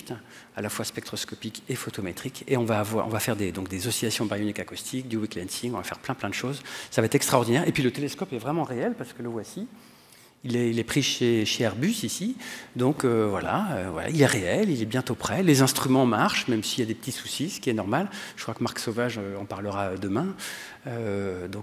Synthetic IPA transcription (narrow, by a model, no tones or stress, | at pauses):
t̪ | alafwaspɛkt̪χɔskɔpikefot̪omet̪χikeɔ̃vaːvwaʁɔ̰̃vafɛʁd̪ed̪ɔ̃k̚d̪ezɔsilasjɔ̃bajɔnikakust̪ʰik̚d̪ywiklɛnsiŋɔ̃vafɛʁplɛ̃plɛ̃d̪əʃozsavaɛt̪χɛkst̪χaɔʁd̪inɛʁepɥilət̪eleskɔpɛvʁɛmɑ̃ʁeɛlpaʁsə̥kələvwasi | ilɛilɛpχiʃeʃeɛʁbysisid̪ɔ̃køvwala̰øvwa̰la̰ilɛʁeɛlilɛbjɛ̃t̪opχɛlezɛ̃st̪χymɑ̃maʁʃmɛmsiljad̪epət̪isu̥sisə̥kʲiɛnɔʁmalʒ̥ə̥kχwakəmaʁksovaʒøɑ̃paʁləʁaød̪əmɛ̃ | ød̪ɔ̃k